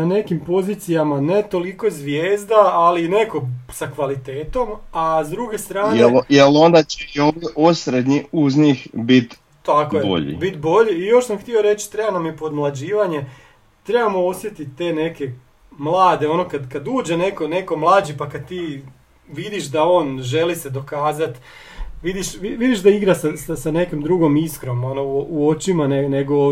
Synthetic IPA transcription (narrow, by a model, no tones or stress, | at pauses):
nane̞kimpo̞ziːt̪sijamane̞t̪o̞liko̞ezʋjeːzd̪aːliːne̞ko̞sakʋalit̪e̞ːt̪o̞mazd̪ɾuɡe̞st̪ɾaːjeejelond̪at͡ɕeioʋiʔosɾed̪ɲiuzɲixbit̪ | t̪akojeʎḭbit̪bo̞ʎiijo̞ʃsamxt̪io̞ɾe̞t͡ɕt̪ɾe̞banamjepo̞d̪mlˠad͡ʑiːʋaɲe̞ | t̪ɾe̞bamoo̞sʋje̞t̪it̪ːe̞ne̞ke̞ | mlˠaːd̪e̞o̞no̞kad̪kad̪uːd͡ʑe̞ne̞kone̞ko̞mlˠaːd͡ʑipakad̪̚t̪iː | ʋid̪iʃd̪ao̞ːnʒe̞lised̪o̞kaːzat̪ | ʋid̪iʃʋiʋid̪iʃd̪aiɡɾasasasane̞kimd̪ɾuɡo̞miskɾo̞monouo̞t͡ɕimaneneɡo